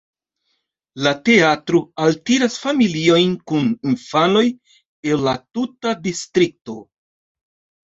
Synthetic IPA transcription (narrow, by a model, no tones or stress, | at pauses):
late̞atɾo̞altiɾasfamilio̞jnkuninfano̞j | elːatutadistɾik̚to̞